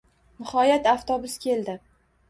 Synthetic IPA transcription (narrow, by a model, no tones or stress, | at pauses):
nɪhɒjat̪aft̪ɒbʊskʲʰe̞ld̪ɪ